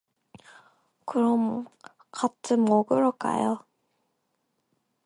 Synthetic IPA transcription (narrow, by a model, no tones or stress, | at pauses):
kɯɾʌm | kat͈ʰɯmoɡɯɾok͈a̰jo